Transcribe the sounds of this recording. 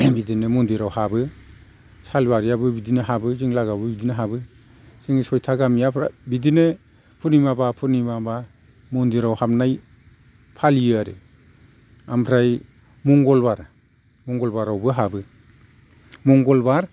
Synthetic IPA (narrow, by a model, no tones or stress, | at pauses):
bidinɯmɔndiɾawhabɯ | salbaɾijabɯbidinaɦabɯziŋlaɡabɯbidinaɦabɯ | siŋsɔjtʰaɡamijapʰɾabidinɯ | pʰuɾnimabapʰuɾnimaba | mɔndiɾawhamnaj | pʰaliɯaɾɯ̰ | ampʰɾaj | muŋɡɔlbaɾ | mɔŋɡɔlbaɾawbɯɦabɯ | mɔŋɡɔlbaɾ